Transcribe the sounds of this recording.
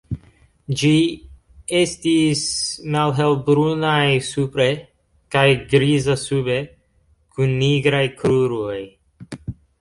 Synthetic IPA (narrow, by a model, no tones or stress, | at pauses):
d͡ʒi | estismalɦelbɾunajsupɾe | kajɡɾizasube | kunːiɡɾajkɾuɾoj